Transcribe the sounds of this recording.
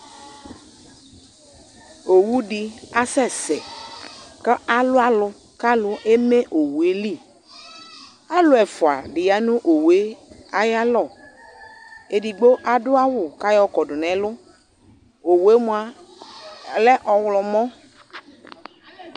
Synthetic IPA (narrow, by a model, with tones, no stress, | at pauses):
o˨wu˦di˨a˦sɛ˦sɛ˨ | kə˦ʔa˨lʊ˦a˦lʊ˨ | ka˦lʊ˨ʔe˦me˦ʔo˨wu˨e˦li˦˨ | a˦lʊ˦ɛ˨fʊ˨a̰˨dɪ˨ja˨˦nʊ̃˦ʔo˨we˦a˦ja˦lɔ˨ | e˨di˨ɡ͡bo˦ʔa˨dʊ˦a˦wʊ˨ka˦jɔ˦kɔ˨dʊ˨nɛ˨˦lʊ˦ | o˨we˦mʊ˨a˨ | lɛ˦ʔɔ˨wlɔ˨mɔ̃˦